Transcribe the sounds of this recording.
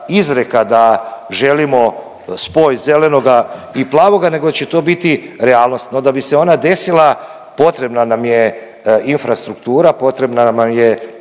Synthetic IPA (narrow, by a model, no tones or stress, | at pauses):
izɾekad̪aʒe̞limo̞ | spo̞jze̞le̞no̞ɡaiplˠaːʋo̞ɡane̞ɡot͡ɕe̞t̪o̞ːbit̪iɾeaːlˠno̞st̪nod̪abise̞o̞nad̪e̞silˠa | po̞t̪ɾe̞bnanamje | infɾast̪ɾukt̪uːɾapo̞t̪ɾe̞bnamamje